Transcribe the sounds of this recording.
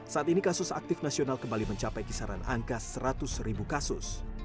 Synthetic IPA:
saʔat̪inikasʊsa̰k̚t̪ɪfnasionalkəmbaliməɲt͡ʃapajkisaɾa̰na̰ŋkasəɾat̪ʊsɾibukasʊs

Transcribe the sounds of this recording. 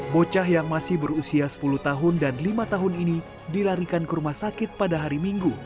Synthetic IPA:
bot͡ʃaɦjaŋmasɪhbəɾusiasə̥puluht̪aɦʊndanlimat̪aɦʊnini | dilaɾikankəɾumahsakɪt̪̚padaɦaɾimiŋɡu

